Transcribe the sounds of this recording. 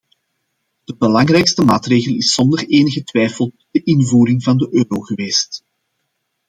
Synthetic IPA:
d̥əbəlɑŋrɛjkstəmaːtreːɣəlˠɪsɔndəreːnəɣətʋɛjfəlˠ | d̥əʔɪnvuːɾɪŋvɑndəʔøːɾoɣəʋeːst

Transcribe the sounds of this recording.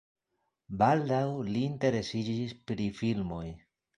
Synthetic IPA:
baldawliːnte̞ɾe̞sid͡ʒispɾifilmo̞j

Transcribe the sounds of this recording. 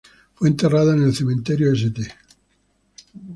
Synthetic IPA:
fweːnt̪eraðonelθemẽnt̪eɾjoes̬ed̪e

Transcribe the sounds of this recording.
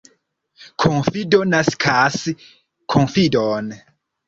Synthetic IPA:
kʰonfidonaskʰas | kʰonfidon

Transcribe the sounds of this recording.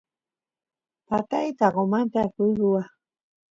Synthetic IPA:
pat̪ajt̪aɣomant̪akuɾuwa

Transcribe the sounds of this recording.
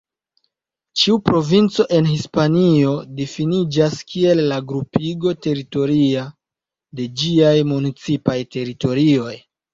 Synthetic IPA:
t͡ʃiupɾo̞vint͡so̞ʔe̞nɦispanio̞difinid͡ʒaskʰie̞lːaɡɾupiɡo̞te̞ɾito̞ɾia | de̞d͡ʒiajmunit͡sipajte̞ɾito̞ɾio̞j

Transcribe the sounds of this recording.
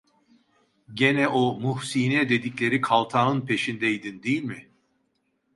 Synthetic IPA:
ɟenɛʔomuhsiːnɛd̪e̞d̪iclʲe̞ɾikʰalˠt̪ʰanɯnpʰe̞ʃind̪ɛjd̪ind̪ijilʲmɪ

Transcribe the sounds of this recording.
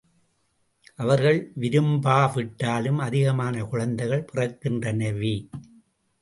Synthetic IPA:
ʔɐʋɐɾɣɐɭʋɪɾɯmbaːʋɪʈːaːlɯmɐðɪɣɐmaːnɐkʊɻɐnd̪ɐɪɣɐɭpɪrɐkːɪndrɐnɐʋi

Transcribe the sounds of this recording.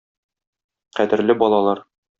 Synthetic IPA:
qæd̪ɘ̆ɾlɘbɒlˠɑlˠɑɾ

